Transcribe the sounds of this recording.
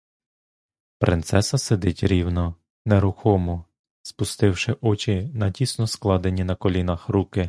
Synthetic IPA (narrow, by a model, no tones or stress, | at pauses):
pɾʔɪnt̪sɛsɐsed̪ɪtʲɾʲiwnɔ | neɾʊxɔmɔ | spʊst̪ɪwʃɪʔɔt͡ʃinɐdʲisnɔsklˠɑd̪enʲinɐkɔlʲinɐxɾukɪ